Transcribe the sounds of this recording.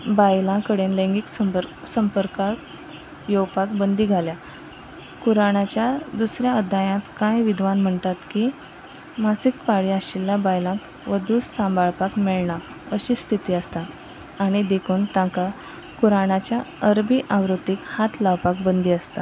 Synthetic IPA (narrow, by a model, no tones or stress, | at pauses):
bajlãkəɽenləŋɡiksəɾ | səmpəɾkak | jowpakbənd̪iːɡʱalja | kuɾaɳat͡ɕjad̪usɾjaəd̪ʱːajãt̪kajʋid̪ʱʋanm̤əɳt̪at̪ki | masik̚paɽiːaɕilːabajlãk | ʋəd̪ussãmbaɭpakmeɭɳa | əɕiːst̪ʰit̪iːəst̪aː | ɽ̃id̪ekʰuːnt̪ãka | kuɾaɳat͡ɕjaəɾbiʔãʋɾut̪ikhat̪ʰlaʋpak̚bənd̪iːəst̪a